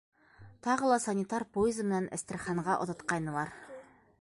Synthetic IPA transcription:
t̪ʰɑʁɤ̆lˠɑsanʲit̪ɑɾpojɪzmɘ̆nænʔɘ̆st̪ɘ̆ɾχɑɴʁɑʔŏ̰t̪ɑ̆t̪qɑjnɤ̆lˠɑɾ

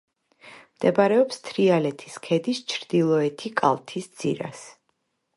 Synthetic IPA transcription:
md̪̥ɛbɾɛɔpst̪ʰɾialɛt̪ʰi̥skʰɛd̪ist͡ʃʰɾd̪ilˠɔɛt̪ʰikʼa̰lˠt̪ʰisd̪z̥ḭɾa̰s

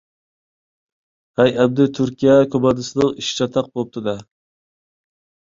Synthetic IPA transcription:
ʁæjæb̚d̪ɪt̪ʰyɾkʲʰijɛkʰʲobɑd̪ɨsɨd̪ɨŋiʃt͡ʃʰɑt̪ʰɑq̚bolˠp̚t̪ʰɨd̪ɛ

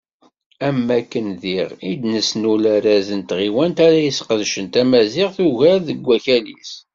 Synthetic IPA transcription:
æmːækːənðiʁid̪nəsnulæɾæzənt̪ʁiwænt̪æɾæjisqəðʃənt̪æmæzɪʁθuʝæɾðəɡʷːæçælḭs

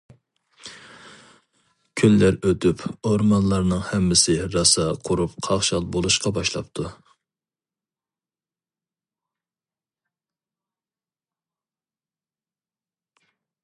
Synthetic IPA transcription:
kʲʰylːæɾøt̪ypoɾmɑnlˠɑɾnɨŋhɛmːɪsɪɾɑsɑqʰʊɾupqʰɑχʃɑlˠbolˠuʃqɑbɑʃlˠɑ̰pt̪ʰu

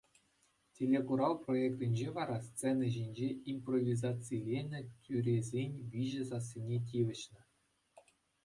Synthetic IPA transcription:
tʲelʲːekuɾɑlˠproekt̪ʲɘ̆nʲd͡ʑeʋɑɾɑst͡senʲɘ̆ʑinʲd͡ʑeimprovʲizɑt͡silʲenʲɘ̆tʲʰyɾʲezʲenʲʋʲiʑɘ̆zɑs̬ʲːinʲet̬ʲiʋʲɘ̆ɕnʲɘ̆

